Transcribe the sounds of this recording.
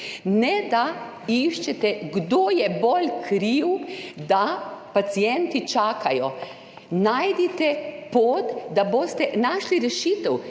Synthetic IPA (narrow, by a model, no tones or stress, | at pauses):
nɛd̪a | iʃt͡ʃɛt̪ɛɡd̪oːjɛbolkʰɾiwd̪apat̪sijɛnt̪it͡ʃaːkʰajɔ | najd̪it̪ɛpoːt̪d̪aboːst̪ɛnaʃliɾɛʃiːt̪ɛw